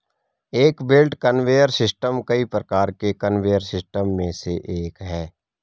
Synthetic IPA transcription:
eːkbɪlʈkənʋeːəɾsɪsʈəmkəipɾəkaːɾkekənʋeːjəɾsɪsʈəmːẽseʔeːkɦɛː

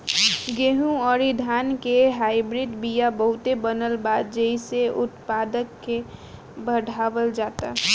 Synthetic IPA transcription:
ɡeɦũɔɾid̪ʱankeɦaɪbɾiɖ̪bijabəɦʊt̪ebənəlbaːd̪̚d͡ʒəiseʔʊt̪paːd̪əkːe | bəɽʱaːʋəld͡ʒaːt̪a

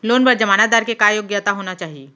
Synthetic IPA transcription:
loːnbɐɾd͡ʒɐmaːnad̪aːɾkekaːjoːɡjat̪aɦoːnat͡ʃaːɦije

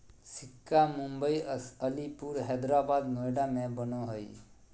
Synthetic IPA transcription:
sikːamumbəjəlipuɾɦɛd̪ɾabad̪nojɖamẽbənoɦəj

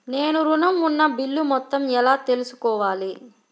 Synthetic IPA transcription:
ne̞ːnuɾunɐmunːɐbilːumɔt̪ːɐmɛlaːt̪e̞lusu̥kɔːʋaːli

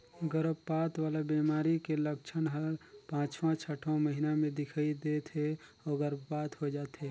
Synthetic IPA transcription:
ɡəɾəbpat̪ʋaːlabimaɾikeləkt͡ʃʰənɦəlpãːt͡ʃʋãt͡ʃʰəʈʰõməɦinamẽd̪ɪkʰaid̪et̪ʰe | ɔːɡəɾəbpat̪ɦod͡ʒaːt̪e

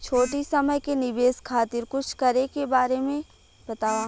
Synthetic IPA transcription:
t͡ʃʰoːʈisɐməjkenɪbeːskʰaːt̪ɪɾkʊt͡ʃʰkɐɾekebaːɾemẽ | bɐt̪aːʋaː

